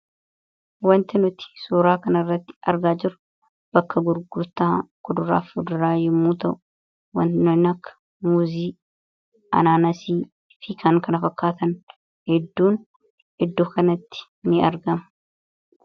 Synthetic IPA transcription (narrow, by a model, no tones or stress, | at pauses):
wɐnt̪ɪnʊt̪ɪ̥suːɾaːkɐnɐrːɐt̪ːɪ̥ɐ̰ɾɡaːd͡ʒɪɾʊ̥ | b̥ɐkːɐɡʊɾɡʊɾt̪aːkʊd̪ʊɾa̰ːfʊd̪ʊɾaːjɛmːuːt̪ɐʔʊ | wɐnnɐnɐkːɐ̥ | muːziː | ʔɐ̰naːnɐsiː | fɪkʰɐŋkɐnɐfɐkːaːt̪ɐn | hɛd̪ːuːn | ɪd̪ːoːkɐnɐt̪ːɪ̥ | nɪɐɾɡɐmɐ